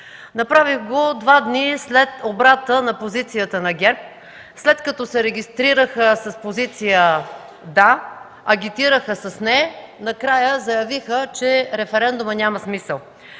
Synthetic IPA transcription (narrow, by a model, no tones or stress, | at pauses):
nɐpɾaviɣɡod̪vad̪nislɛt̪obɾat̪ənɐpozit̪sijət̪ənɐɡʲɛɾp̚ | slɛt̪kɐt̪ɔsɛɾɛɡʲist̪ɾiɾəxəsɐspozit̪sijə | d̪a | ɐɡʲit̪iɾəxəsɐsnɛnɐkɾajəzɐjɐvixət͡ʃɛɾɛfɛɾɛnd̪ʊmənʲaməsmisəlˠ